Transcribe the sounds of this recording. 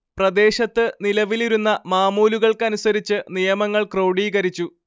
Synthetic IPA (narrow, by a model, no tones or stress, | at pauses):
prɐd̪e̞ːɕɐt̪ːɨnilɐʋiliɾunːɐmaːmuːluɣɐɭkɨɐnusɐɾit͡ɕːɨnijɐmɐŋːɐɭkro̞wɽiːɣɐɾit͡ɕːu